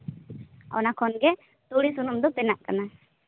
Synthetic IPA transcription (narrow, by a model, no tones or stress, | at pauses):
a̰wnakʰɔnɡe | t̪uɽisunumd̪upɛnːaʔkana